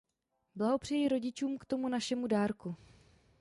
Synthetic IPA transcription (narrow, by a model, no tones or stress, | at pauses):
blaɦo̞pr̝̥ɛjiɾo̞ɟɪt͡ʃuːmkt̪o̞munaʃɛmudaːɾku